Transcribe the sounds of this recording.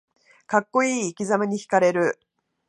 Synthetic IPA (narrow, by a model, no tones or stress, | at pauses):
kakːo̞iːkʲizamaɲ̟içi̥kaɾe̞ɾɯ̟